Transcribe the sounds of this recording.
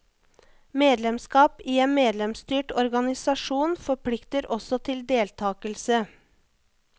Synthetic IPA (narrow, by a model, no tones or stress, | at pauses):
meːd̪lɛmskɑːpiːeːnmeːd̪lɛmst̪yːʈɔɾɡɑnɪsɑʂuːnfɔpʰlɪkt̪əɾɔsɔt̪ʰɪld̪eːlt̪ʰɑːkəlsə